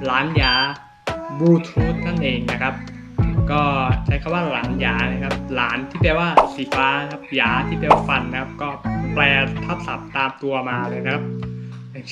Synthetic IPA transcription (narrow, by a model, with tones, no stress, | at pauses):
laː˨˩˦njaː˩˦ | buː˧t̪ʰuː˦˥t̪̚ʰːa˥˩nʔeː˧ŋna˦˥kʰa˦˥p̚ | kɔː˥˩t͡ɕʰa˦˥jkʰa˧˦waː˥˩laː˩˦njaː˩˦na˧˩kʰa˦˥p̚laː˩˦nt̪ʰiː˥˩pɛː˧waː˥˩si˨˩˦paː˧˥n˦˥kʰa˦˥p̚jaː˩˦t̪ʰiː˥˩pɛː˧waː˥˩fa˧nːa˦kʰa˦˥p̚kɔː˥˩plɛː˧t̪ʰa˦˥˩sa˨˩˦p̚t̪aː˧mt̪u˧ɐmaː˧lɤː˧jna˦˥kʰa˦˥p̚ | a˨˩